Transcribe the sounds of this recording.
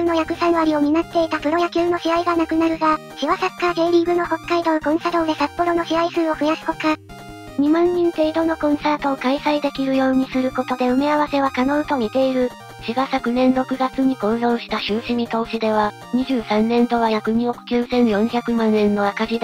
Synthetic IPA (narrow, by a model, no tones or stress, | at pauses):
ɯno̞jakɯ̟sanβaɾʲio̞minat̪ːe̞it̪apɯ̟ɾo̞jakʲɨːno̞ɕiaiɡanakɯ̟naɾɯ̟ɡaɕiβasakɯ̥kaɡe̞ːɾʲiːɡɯ̟no̞ho̞kːaid̪o̞ɯkõ̞ɰ̃sad̪o̞ːd̪e̞sapːo̞ɾo̞no̞ɕiaisɨːo̞ɸɯ̟jasi̥ko̞ka | ɲ̟imãɲ̟ːĩnt̪e̞id̪o̞no̞kõ̞ɰ̃saːt̪o̞ːkaisaid̪e̞kʲiɾɯ̟jo̞ːɲ̟isɨɾɯ̟ko̞t̪o̞d̪e̞ɯ̟meaβase̞βakano̞ɯ̟t̪o̞mʲit̪e̞iɾɯ̟ | ɕiɡasakɯ̟nẽ̞nɾo̞kɯ̟ɡat͡sɨɲ̟iko̞ːzõ̞ɰ̃ɕi̥t̪aɕɯːɕiɲ̟it̪o̞ːɕid̪e̞β̞a | ɲ̟iʑɨːsãnːẽ̞nd̪o̞βajakɯ̟ɲ̟iokɯ̟̥kʲɯːsẽ̞ɰjõ̞ɰ̃çʲakɯ̟mãnːẽ̞nːo̞akaʑid̪